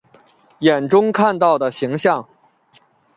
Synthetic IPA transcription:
jɛ˨˩nʈ͡ʂʊ˥ŋkʰa˥˧nt̪ɑ˥˩ʊd̪ə˩ɕi˧˥ŋɕjɑ˥˩ŋ

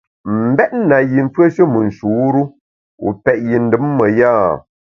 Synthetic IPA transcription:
m̩˨bɛ˦t̚n̩˦na˨ji˨ɱ̩˦fə˦ʃə˦mɨ˨n̩˨ʃu˨˦ɾu˦ | ṵ˨pɛ˨ʔ̚ji˨n̩˦dɨ˦mːə˨ja˦˨

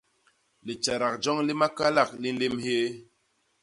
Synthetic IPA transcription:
le˨t͡ʃa˨ɾa˨k̚d͡ʒɔ˦ŋli˦ma˦ka˦la˦˨k̚li˦n˦le˦mhe˦

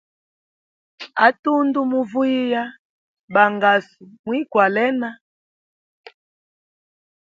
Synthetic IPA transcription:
a˨˦tu˦ndu˦mu˦vu˦i˦ja˦ | ba˨ŋɡa˨su˨mwi˦kwa˨lɛ˦na˦

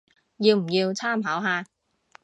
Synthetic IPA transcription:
jiː˧wm̩˨˩jiː˧wt͡sʰaː˥˩mɦaː˨˥wɦaː˧

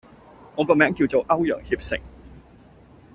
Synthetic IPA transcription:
ɔ˨˧ŋkə˨˧˩mɛː˨˥ŋki˧wt͡so˨wʔɐ˥wjə̰˨˩ŋhi˧˩p̚sɪ̰˧˨ŋ

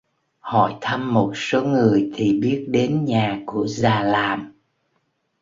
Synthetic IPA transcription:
hɔ̰˧˩˨jt̪ʰa˧mːo˨˩t̚so˨˦ŋɨ˨˩əjt̪ʰi˨˩ɓi˦˥ət̚ɗe˨˦nɲaː˨˩ku˧˩əzaː˨˩laː˨˩m

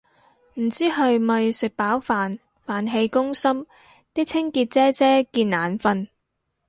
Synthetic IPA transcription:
m̩˨˩t͡siː˥ɦɐ˨˧ɥmɐ˨jsɪ˨k̚paː˨˥wfaː˨n | faː˨nɦe˧jkʊ˥ŋsɐ˥m | t̪iː˥k̚t͡sʰɪ˥ŋkiː˧t̚t͡sɛː˥t͡sɛː˥kiː˧nnaː˨˩nfɐ˧n

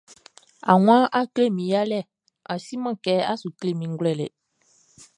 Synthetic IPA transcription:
a̰˨ww̃ã˦ʔa˦kle˦˨mĩ˨˦ja˦lɛ˦˨ | a˨si˦mã˦˨kɛ˨˦a˦su˨kle˦˨mĩ˨ŋ˦ɡlɛ˦˨lɛ̰˨

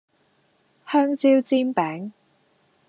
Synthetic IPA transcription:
hœː˥ŋt͡siː˥wt͡siː˥npɛː˨˥ŋ

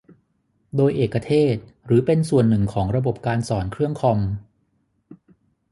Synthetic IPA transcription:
doː˧jʔeː˨˩kːa˧t̪ʰeː˥˩t̪̚ɾɯː˩˦pe˧nsu˨˩ənːɯ˨˩ŋkʰɔː˩˦ŋɾa˧bo˨˩p̚kaː˧nsɔː˩˦nkʰɾɯ˥˩əŋkʰɔ˧m

